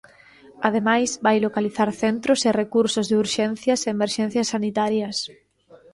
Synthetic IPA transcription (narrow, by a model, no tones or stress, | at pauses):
að̞emajsbajlokaliθaɾθent̪ɾʊserekuɾsʊzðɪuɾʃɛn̟θjɐseːmeɾʃɛn̟θjɐsːanit̪aɾjɐs